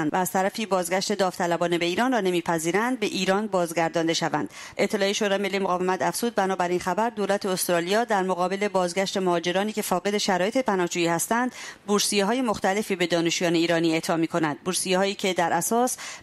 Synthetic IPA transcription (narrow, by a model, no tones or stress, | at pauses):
nvæːz̥t̪ʰæɾæfiːbɒːzɡʲæʃt̪e̞d̪ɒːft̪ʰælæbɒːnebe̞iːɾɒːnrɒːne̞miːpʰæziːɾænd̪̚be̞ʔiːɾɒːnbɒːzɡæɾd̪ɒːnd̪e̞ʃævæ̰nd̪̥ | ʔe̞t̪ʰːe̞lɒːjeʃoɾɒːjemelːijemoɣɒːve̞mæt̪ʰæfz̥uːd̪̚bænɒːbæɾinxæbæɾd̪oːlæt̪ʰeost̪ɾɒːlijɒːd̪æɾmoɣɒːbe̞le̞bɒːzɡʲæʃt̪e̞mohɒːd͡ʒe̞ɾɒːniːcʰe̞fɒːɣe̞d̪e̞ʃæɾɒːje̞t̪ʰepʰænɒːhd͡ʒuːjiːhæst̪ænd̪buɾsijeɦɒːje̞mo̞xt̪æle̞fiːbe̞d̪ɒːne̞ʃuːjɒːne̞iːɾɒːniːe̞ʔt̪ʰɒːmiːkʰo̞nænd̪̥̚buɾsijehɒːjiːcʰe̞d̪æɾʔæsɒːs